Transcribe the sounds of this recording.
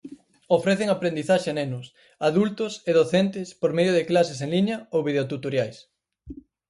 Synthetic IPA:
ofɾeθeŋapɾẽnd̪iθaʃenenʊs | aðult̪ʊseðoθent̪ɪspoɾmeðjʊðɪklaseseŋliɲɐowβið̞eot̪ut̪oɾjajs

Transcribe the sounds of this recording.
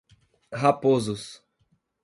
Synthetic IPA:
hapozʊs

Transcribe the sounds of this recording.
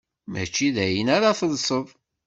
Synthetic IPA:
mæ̰t͡ʃːiðæjənaɾaθəðsˤəðˤ

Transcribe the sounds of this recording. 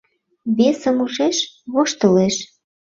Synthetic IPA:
βesə̆muʃeʃβoʃt̪əleʃ

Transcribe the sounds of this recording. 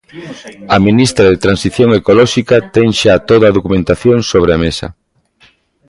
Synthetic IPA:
ɐminist̪ɾaðet̪ɾansiθjoŋekolɔʃikat̪ɛŋʃat̪oðaːðokumẽnt̪aθjoŋsoβ̞ɾeamesɐ̰

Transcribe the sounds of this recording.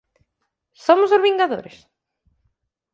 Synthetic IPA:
somʊsʊɾβĩŋɡaðo̰ɾɪs

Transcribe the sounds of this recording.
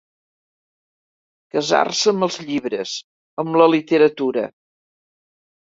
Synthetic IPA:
kəza̰rsəəməlˠzʎiβɾə̰z | əmləlit̪əɾət̪uɾə̰

